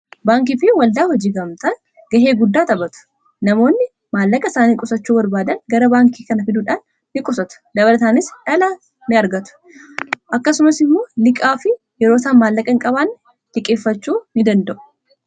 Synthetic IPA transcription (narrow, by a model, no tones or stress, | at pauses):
baːŋk̬iːfɪwɐld̪aːhɔd͡ʒiːɡɐmt̪ɐn | ɡɐɦe̞ːɡʊd̪ːaːt̪ɐbɐt̪ʊ̥ | nɐmo̞ːnːɪ | maːlːɐkʼɐsaːnikʼʊsɐt͡ʃːuːbɐɾbaːd̪ɐnɡɐɾɐbaːŋkʰiːkɐnɐfɪd̪uːᶑaːnː | ɪkʼʊsɐt̪ʊ̥d̪ɐβɐlɐt̪aːnɪsᶑɐlɐ | nɪɐɾɡɐt̪ʊ̥ | ʔɐkːɐsʊmɐsɪmːo̞ːnɪkʼaːfɪ | jɛɾoːsaːnmaːlːɐkʼɐŋkʼɐβaːnː | t̪ɪkʼeːfːɐt͡ʃːuːnɪd̪ɐnd̪ɐʔʊ̥